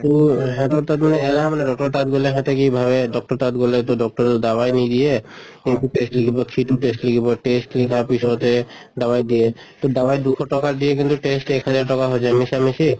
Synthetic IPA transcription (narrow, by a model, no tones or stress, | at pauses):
t̪uɦɛ̃t̪oɾt̪at̪maneelamaneɖɔk̚ʈɔɾt̪at̪̚ɡuleɦɛ̃t̪ekibʱaβeɖɔk̚ʈɔɾt̪at̪ɡulet̪oɖɔk̚ʈɔɾod̪abajnid̪ije | ekuʈesʈlikʰibokʰiʈuʈesʈlikʰiboʈesʈlikʰapiʃot̪e | d̪abajd̪ije | t̪od̪abajd̪ukʰoʈɔkaɾd̪ijekint̪uʈesʈɛkɦad͡ʑaɾʈɔkaɦod͡ʑʰamisamisi